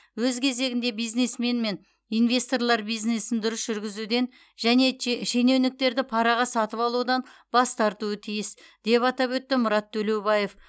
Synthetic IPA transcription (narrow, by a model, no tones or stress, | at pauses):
wɵzkʲʰe̞ze̞ɡʲɪnd̪e̞bijzne̞sme̞nme̞n | ijnve̞st̪o̞ɾlˠɑɾbijzne̞sɪnd̪ʊɾəsʒʏɾɡʲɪzud̪e̞n | ʒæne̞ʃe̞ne̞wnɪk̚t̪e̞ɾd̪ɪpʰɑɾɑʁɑsɑt̪əpɑlˠud̪ɑnbɑst̪ɑɾt̪uət̪ʰijɪsd̪̥e̞pɑt̪ɑpwɵt̪ːɪmʊɾɑt̪ʰːɵle̞wbɑje̞f